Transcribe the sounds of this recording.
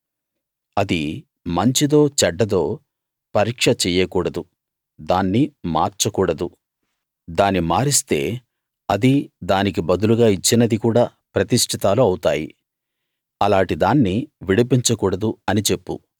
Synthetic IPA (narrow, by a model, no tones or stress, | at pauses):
ɐd̪i | mɐɲt͡ʃid̪o̞ːt͡ʃɛɖːɐd̪o̞ː | pɐɾiːkʂɐt͡ʃɛːjɐkuːɽɐd̪u | d̪aːnːima̰ːɾt͡ʃɐkuːɽɐd̪u | d̪aːnimaːɾist̪e̞̰ː | ɐd̪id̪aːnik̬ibɐd̪uluɡaːit͡ʃːinɐd̪ikuːɽaː | pɾɐt̪iʂʈʰit̪aːluɐwut̪aːjḭ | ɐlaːɳʈid̪aːnːiʋiɽip̬iɲt͡ʃɐkuːɽɐd̪uɐnit͡ʃe̞pːṵ